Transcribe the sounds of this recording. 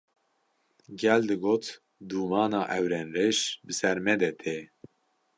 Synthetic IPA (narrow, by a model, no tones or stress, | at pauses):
ɡɛld̪ɨɡoːt̪ | d̪uːmɑːnɑːʔɛwɾɛnɾeʃbɨsɛɾmɛd̪ɛt̪ʰe